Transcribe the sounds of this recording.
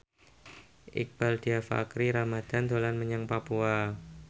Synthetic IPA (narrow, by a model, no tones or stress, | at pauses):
ʔḭk̚b̥aldiafa̰kɾiɾamad̪̥and̪olanməɲaŋpapua